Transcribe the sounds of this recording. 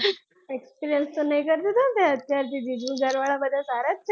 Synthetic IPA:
ekspiɾijənst̪onəjkəɾt̪et̪at̪ɛ̃ət̪jaɾt̪id͡ʑid̪ũɡəɾʋaɭabəd̪ʱːasaɾat̪ːt͡ɕ

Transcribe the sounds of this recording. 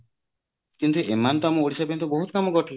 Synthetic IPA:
kint̪uʔemant̪amũoɽisabent̪uboɦut̪ɔkamɔɡɔʈʰil

